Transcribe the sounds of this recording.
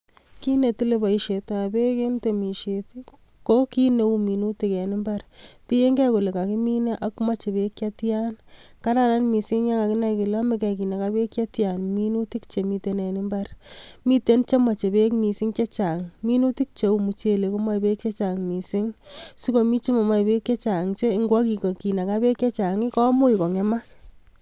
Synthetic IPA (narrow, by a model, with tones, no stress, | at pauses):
ki˦ne˨tu˦le˦ba˨i˨ʃe˨ta˨be˦ke˦nte˨mi˨ʃe˨t | ko˦ki˦ne˨˦u˦mi˨nu˦ti˨kɛ˨nɪ˦mba˦ɾti˦je˦ŋɡɛ˦ku˨le˨ka˨kɪ˦mi˦ne˦ʔa˦kma˦t͡ʃe˨be˦kja˦ti˦a˦nka˦ɾa˦ɾa˦nmi˨sɪ˦ŋja˦ŋa˨kɪ˦na˦ikɪ˨la˦me˦k̬ɛ˨ki˨ne˨ka˦be˦kja˦tja˨nmi˦nu˦ti˦kt͡ʃe˨mi˧te˦nɛ˨nɪ˦mba˦ɾmi˦te˦nt͡ʃe˦ma˨t͡ʃe˨be˦kmi˨sɪ˦ŋt͡ʃe˦t͡ʃa˨ŋmi˦nu˦ti˦k̚t͡ʃe˨u˨mu˨t͡ʃe˨le˨ko˦ma˦˨be˦k̚t͡ʃe˦t͡ʃa˨ŋmi˨sɪ˦ŋsi˦ko˨mi˦t͡ʃi˦ma˨ma˦˨be˦kje˦t͡ʃa˨ŋt͡ʃe˦ŋɡwɔ˦ki˨ko˨ki˨na˨ka˦be˦kje˦t͡ʃa˨ŋɪ˦kɔ˦mu˦i˨kɔ˨ŋe˦ma˦